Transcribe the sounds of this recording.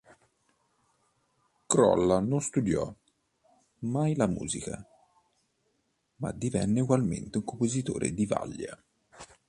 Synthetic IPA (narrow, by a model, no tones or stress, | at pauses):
kɾɔ̰lːanonst̪ud̪jɔ̰ | majlamṵːzika | ma̰d̪ivɛnːeuɡwalment̪euŋkompozit̪oːɾʔḛd̪iva̰lːja